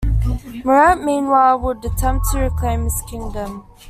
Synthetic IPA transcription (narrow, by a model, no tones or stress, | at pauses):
məɹaʔmĩːnwaɪlˠwədətʰɛ̃mp̚tʰəɹɪkʰl̥ẽɪ̃mɪskʰɪ̃ŋdə̃m